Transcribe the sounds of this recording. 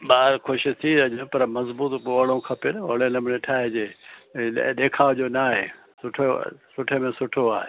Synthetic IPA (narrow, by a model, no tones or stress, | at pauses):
ɓaːɾkʰoʃit̪ʰiɐɲə̃pɐɾmɐzbuːt̪ːɽõkʰɐpenɐoɽelɐmɪneʈʰaːɦed͡ʑeː | ɗeːkʰaːʋd͡ʑoːnaːɦḛː | sʊʈʰesʊʈʰemẽsʊʈʰoaːɦḛː